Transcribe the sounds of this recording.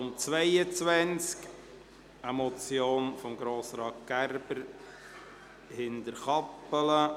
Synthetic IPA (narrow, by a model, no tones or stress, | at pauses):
ʊmt͡svɛɪət͡svɛnt͡sk | əmɔt͡sjoːnfɔmɡɾoːsɾɑːkɡæɾb̥əɾ | hɪndəɾχɑpːələ